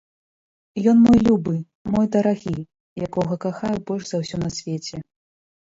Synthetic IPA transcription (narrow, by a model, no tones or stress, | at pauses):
jɔnmɔjlʲubɨ | mɔjd̪ɐɾaɣʲi | jakɔɣɐkaxajɛbɔlʲʐzawsʲɔnɐsʲvʲet͡sʲɛ